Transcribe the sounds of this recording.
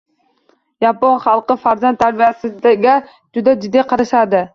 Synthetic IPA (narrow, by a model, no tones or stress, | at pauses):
jɑponχɑlˠqɨfaɾzant̪ʰːaɾbijasɪd̪aɡʲa | d͡ʒʊd̪ad͡ʒɪd̪ːɪqʰɑɾaʃad̪ɪ